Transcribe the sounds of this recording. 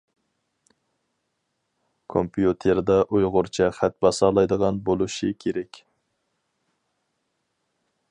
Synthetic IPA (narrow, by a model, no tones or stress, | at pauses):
kʰompijut̪ʰeɾd̪ɑʔujʁʊɾt͡ʃʰɛχæt̪̚bɑsɑːlˠɑjd̪əʁɑnbolˠuʃikʲʰeɾɛkʲ